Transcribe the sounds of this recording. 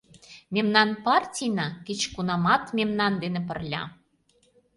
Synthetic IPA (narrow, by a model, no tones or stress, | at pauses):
mʲemnɑnpɑrtʲijnɑket͡ɕkunɑmɑt̪mʲemnɑnd̪enĕp̬ə̆rlʲɑ̰